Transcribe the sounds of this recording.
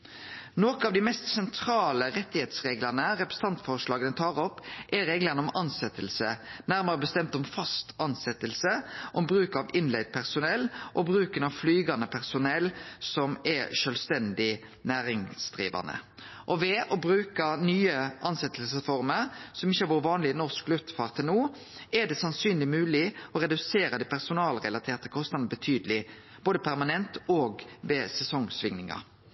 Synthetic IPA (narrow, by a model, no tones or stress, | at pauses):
noːkəɑʋd̪ɪmɛst̪sɛnt̪ʰɾɑːləɾɛt̪ːɪheːt̪sʁeːɡlɑʁnəʁɛpɾʁ̥əsəɑnt̪fɔʁʂlɑːɡənət̪ʰɑːʁɔpːʔɛɾeːɡlənəɔmɑnsɛt̪ːəlsənæɾməʁəbəst̪ɛmt̪ɔmfɑst̪ɑnsɛt̪əlsəʔɔmbɾʉːkɑʋɪnlɛɪd̪̚pʰæʁsʊnɛlːʔɔbʁʉːkənɑʋflyːɡɑnəpʰæʁsʊnɛlsɔmɛʂœlst̪ɛnd̪ɪ | næːɾɪŋsd̪ʁḭːʋɑ̰nə̰ | ʔɔʋɛʔɔbɾʉːkɑnyːəʔɑnsɛt̪ʰːəlsəsfɔɾməɾsɔmɪçːəhɑɾʋuːʁəʋɑːnlɪnɔʁsklʉft̪fɑːʁt̪ʰːɛlnuː | ɛd̪ɛsɑnsyːnlɪmʉːlɪɔɾɛd̪ʉseːɾɑd̪æɪpʰæʁsʊnɑːlʁɛlɑt̪ʰeːʁt̪ʰəkʰɔst̪ɑnəbət̪ʰyːd̪əlɪ | b̥oːd̪əpʰæɾmɑnɛnt̪oːɡʋɛsɛsɔŋsʋɪŋnɪŋɑ̰